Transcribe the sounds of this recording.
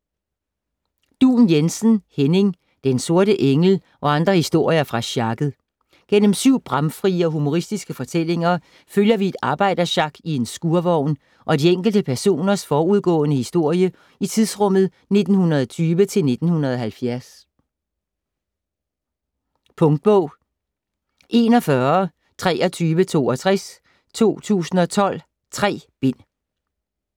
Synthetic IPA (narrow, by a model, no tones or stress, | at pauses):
d̥ṵːnjensn̩hene̝ŋ | d̥enso̝ɐɾəʔeŋl̩ | ʔɒ̽ɑ̈nd̥ʁɐhisd̥o̝ɐ̰jɐfʁɑ̈ɕɑ̈ɡ̥ð̩ˠ | ɡ̥en̰m̩syʊ̰b̥ʁɑmfʁiːəɒ̽ɦumo̝ʁisd̥isɡ̥əfɒ̽t͡sʰel̰e̝ŋɐ | føljɐʋie̝d̥ɑ̈ːb̥ɑ̈ɪ̰d̥ɐɕɑ̈ɡ̥ie̝nsɡ̥uɐʋɒʊ̰n | ʔɒ̽dieŋ̰ɡ̥l̩d̥əpʰæɐso̝̰ːnɐsfɒːuð̞ˠɡ̥ɔ̰̽ːnəhisd̥o̝ɐ̰jə | it͡sʰiðˠsʁɔ̽m̰ð̩ˠ | ne̝d̥n̩hunɐðˠɒt͡sʰyːʋət͡sʰe̝lne̝d̥n̩hunɐðˠɒ̽ɦælfjæɐs | pʰɔ̽ŋd̥̚b̥ɔʊ̰ | ʔe̝ːnɒ̽fɶɐ | t͡sʰʁɛːɒ̽t͡sʰyːʋət͡sʰo̝̰ːɒ̽t͡sʰʁɛs | t͡sʰo̝̰ːt͡sʰṵːsn̩ɒ̽t͡sʰɒ̽l̰ | t͡sʰʁɛ̰ːb̥e̝n̰